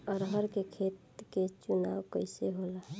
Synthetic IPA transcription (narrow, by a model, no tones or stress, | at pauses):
ɔɾɦəɾkekʰeːt̪ket͡ʃunawkəɪseɦola